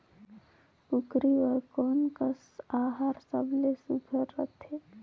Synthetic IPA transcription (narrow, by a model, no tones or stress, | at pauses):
pukɾiʋəɾkɔːnkəsaːɦaɾsəblesuɡʰʱəɾːət̪ʰeː